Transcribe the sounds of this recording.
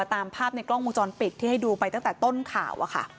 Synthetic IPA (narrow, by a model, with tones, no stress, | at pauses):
t̪aː˧mpʰaː˥˩p̚na˧jkɾlɔ˥˩ŋmuː˧t͡ɕɔː˧npi˨˩t̪̚ʰːiː˥˩ha˥˩jduː˧pa˧jt̪a˥˩ŋt̪ɛː˨˩t̪o˥˩nkʰa̰ː˨˩˦wʔa̰˨˩kʰa̰˥˩